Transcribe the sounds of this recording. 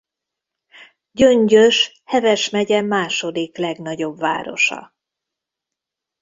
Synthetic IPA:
ɟø̞ɲɟøʃ | hɛvɛʃmɛɟɛmaːʃo̞d̪iklɛɡn̪ɒɟo̞bva̰ːɾo̞̰ʃɒ̰

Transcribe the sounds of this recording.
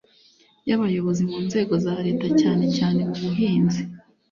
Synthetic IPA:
jaβajo̞βo̞zimuːnze̞ːɡo̞zaɾe̞ːtacaːne̞caːne̞muβuɦiːnzi

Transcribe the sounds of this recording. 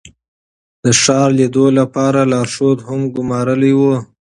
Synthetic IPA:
d̪̥əʂɑɾlid̪olapɑɾalɑɾʂot̪hʊmɡʊmɑɾəlejwu

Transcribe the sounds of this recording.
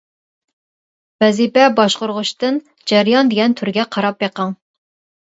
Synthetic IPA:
b̥ɛzipɛbɑʃqʊɾʁʊʃt̪ɨn | d͡ʒæɾjɑnd̪eɡʲɛnt̪ʰyɾɡʲɛqʰɑɾɑpjeqʰɑŋ

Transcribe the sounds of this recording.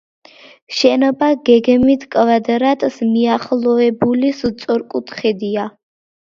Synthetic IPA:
ʃɛnɔbaɡɛɡmit̪ʰkʼvad̪ɾat̪ʼsmiaχlˠɔɛbulist̪sʼɔɾkʼut̪ʰχɛd̪ia

